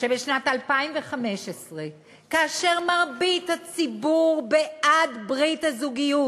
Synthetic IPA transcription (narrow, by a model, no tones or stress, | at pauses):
ʃebeʃnatalpaimveχameʃesʁe | kaaʃe̞ʁmaʁbithat͡sibuʁbeʔadbʁithazuɡiju